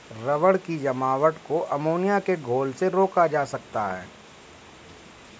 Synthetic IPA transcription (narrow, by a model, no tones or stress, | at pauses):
ɾɐʋəɽkid͡ʒɐmaːʋəʈkoʔɐmoːnijakeɡʱoːlseɾoːkad͡ʒaːsɐk̚t̪aɦɛ̰ː